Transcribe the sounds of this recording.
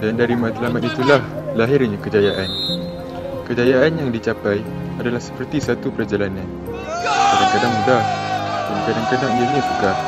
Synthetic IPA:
dandaɾimãt̪lamat̪it̪ulahlaɦɪrɲakəd͡ʒajaʔan | kəd͡ʒajaʔanjaŋdit͡ʃapaj | adalahsə̥pərt̪isat̪upəɾad͡ʒalanãn | kadaŋkadaŋdahdakadaŋkənãʔdiənisəɡa

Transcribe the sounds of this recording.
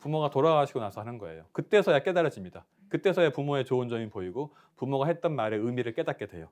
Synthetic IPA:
pumoɡatoɾaɡaɕʰiɡonasʰʌɦanɯnɡʌḛjo̰kɯt͈e̞sʰʌjak͈e̞daɾjʌd͡ʑimɲida | kɯt͈e̞sʰʌjapumoe̞t͡ɕoɯnd͡ʑʌmipoiɡo | pumoɡaɦe̞t̚t͈ʌnmaɾe̞ɯmiɾɯɭk͈e̞dat̚k͈e̞dwe̞̰jo

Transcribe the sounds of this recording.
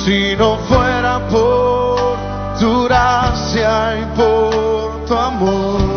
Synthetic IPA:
sinɐ̃w̃foɾapo | d̪uɾasiaĩpo | t̪uamo

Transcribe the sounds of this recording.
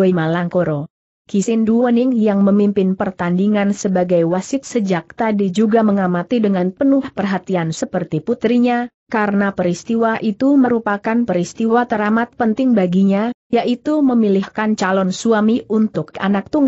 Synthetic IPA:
oimalaŋkoɾo | kisɪnduənɪŋjaŋməmimpɪnpərt̪andiŋansəbaɡajwasɪt̪̚səd͡ʒak̚t̪adid͡ʒuɡaməŋamat̪idəŋanpənʊhpərɦat̪iansəpərt̪iput̪ɾiɲa | kaɾənapəɾist̪iwaʔit̪uməɾupakanpəɾist̪iwwat̪əɾamat̪̚pənt̪ɪŋbaɡiɲajaʔit̪uməmilɪhkant͡ʃalɔnsuamiʔunt̪ʊka̰nak̚t̪uŋ

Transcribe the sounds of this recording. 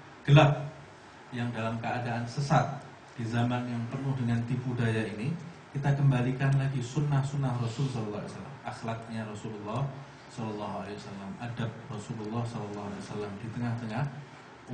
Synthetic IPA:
ɡ̥əlap̚ | jaŋdalamkəadaʔansəsat̪̚ | d̥izamanjaŋpərnʊhdəŋant̪ipudajainikit̪akəmbalikanlaɡisunːahsunːahrɔsulsɔlɔlːa̰a̰sala̰maxlat̪̚ɲaɾɔsululːɑh | sɔlɔlːɑɦualewasalamadap̚rɔsululːɑhsɔlɔlːɑɦua̰lewasalamdit̪əŋaht̪əŋah

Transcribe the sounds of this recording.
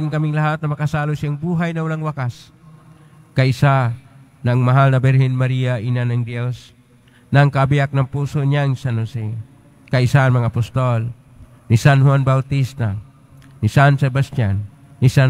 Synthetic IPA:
ɪŋkɐmiŋlɐɦat̪̚nɐmɐkɐsalosjaŋbuːɦajnɐʊlaŋwakas | kɐɪsa | nɐŋmɐɦalnɐbɛɾhinmɐɾijaʔinanɐŋd̪ɛs | nɐŋkabijak̚nɐŋpuːsoɲaŋsanosi | kɐɪsaamɐŋapʊst̪ol | nisanhuwanbawt̪ist̪a | nɪsansɛbast̪janː | isa

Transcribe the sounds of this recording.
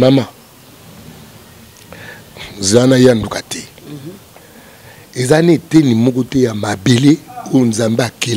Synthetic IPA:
nama | zanajandukatɛ | ezanetenimɔkotɛjamabeleojonzambeake

